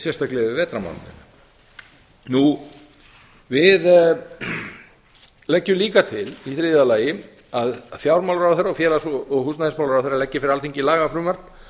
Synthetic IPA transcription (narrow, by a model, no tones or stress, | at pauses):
sjɛst̪aklɛðʏvɛːt̪ɾama̰wnnɪ̰na | nu | vɪð | lɛcːʏliːkat̪ʰɪliθɾɪðalaːjɪ | aðfjawɾmawlɾawθɛɾaɔfjɛːlasɔɔɣhusnaðɛnsmawlɾawθɛɾalɛcːɪfɪɾɪɾalθiɲcɪlaːɣafɾʏːmaɾ̥n